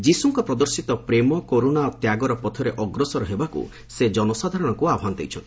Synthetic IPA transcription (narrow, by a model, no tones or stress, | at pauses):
d͡ʒisuŋkɔpɾɔd̪ɔɾsit̪ɔpɾemɔkoɾonaot̪jaɡɔɾɔpɔt̪ʰɔɾeʔɔɡɾɔsɔɾɔɦebakṵ | sed͡ʒɔnɔsad̪ʱaɾɔɽ̃ɔkuabɦanɔt̪ejt͡ʃʰɔnt̪i̥